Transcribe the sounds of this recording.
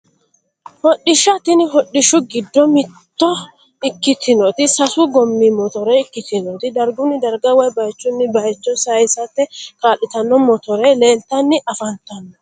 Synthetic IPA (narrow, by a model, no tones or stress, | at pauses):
hɔɗːɪʃɐt̪ɪnɪɦɔɗːɪʃʊɡɪd̪ːɔmɪt̪ːɔ | ɪkːɪt̪ʰːɪnɔt̪ɪsɐsuɡɔmːiːmɔt̪ɔɾɛɪkːɪt̪ɪnɔt̪ɪd̪ɐɾɡʊnːɪd̪ɐɾɡɐwɐjbɐjt͡ʃːʊnːɪbɐjt͡ʃːɔnsɐjɪsɐt̪ːɛkaːlːɪt̪ɐnːɔmɔt̪ɔɾele̞ːnt̪ːɐnːɪʔɐfɐnt̪ɐnːɔ